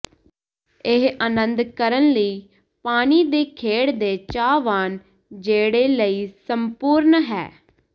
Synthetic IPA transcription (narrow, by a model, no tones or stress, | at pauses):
ɪɦanənd̪kəɾənləiː | paːniːd̪eːkʰeːɽd̪eːt͡ʃaːʋaːn | d͡ʒeːɽeːləiːsəmpuːɾnɦɛ̰ː